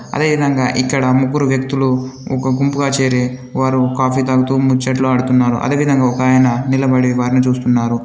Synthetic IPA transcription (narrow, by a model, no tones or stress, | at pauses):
ɐ̰d̪e̞ːʋid̪ʱɐŋɡa̰ːʔikːɐɽɐmuɡːuɾuʋjɐk̚t̪uluɔkɐɡumpuɡaːt͡ʃe̞ːɾi | ʋaːɾukaːfiːt̪ɐɡut̪umut͡ʃːɐʈ̬loːɐɽut̪unːaːɾṵʔɐ̰d̪e̞ːʋid̪ʱɐŋɡaːɔkaːjɐnɐnilɐbɐɽiʋaːɾnut͡ʃuːst̪unːaːɾu